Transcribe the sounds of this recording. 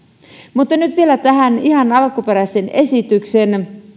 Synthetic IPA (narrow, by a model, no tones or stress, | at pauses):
mut̪ːɑnyt̪ʋielæt̪æɦæniɦɑnɑlkupe̞ɾæsene̞sit̪ykse̞n